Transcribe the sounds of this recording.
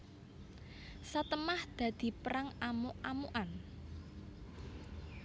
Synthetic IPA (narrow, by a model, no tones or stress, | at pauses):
sat̪əmahd̪̥ä̤d̪̥i̤pəɾaŋamoʔamuʔan